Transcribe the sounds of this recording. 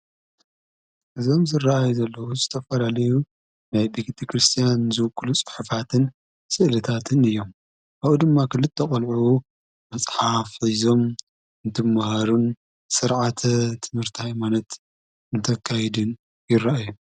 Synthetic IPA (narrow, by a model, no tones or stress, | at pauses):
ʔɨzo̞mzɨrːaʔajuzɐlːɐwuzɨt̪ʰɐfɐlalɐju | najbekit̪ʰɐkɾɨst̪ʰijanzɨwɨkʰʼːɨlut͡sʼɨ̥ħɨfat̪ʰɨn | sɨʔlɨt̪ʰat̪ʰɨnɨjːo̞m | ʔaβud̪ɨmːakʰɨlːɨt̪ʰːɐχʼɐlʕu | mɐsʼħafizo̞m | ɨnt̪ʰɨmːahaɾun | sɨɾʕat̪ʰɐt̪ʰɨmhɨɾt̪ʰihajmanɐt̪ | ɨnt̪ʰɐkʰːajɛd̪ɨn | jɪrːaʔaju